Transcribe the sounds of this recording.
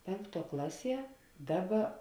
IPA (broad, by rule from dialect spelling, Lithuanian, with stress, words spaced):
ˈpʲɛŋkˌtuɔ ˈklˠɑːˌsʲiɛ ˈdɑːˌbɐ